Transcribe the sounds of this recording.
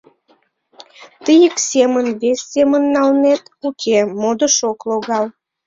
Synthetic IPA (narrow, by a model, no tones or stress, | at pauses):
t̪əjəksemənβesʲːemənːɑlnet̪ukʰemod̪əʃokloɣɑl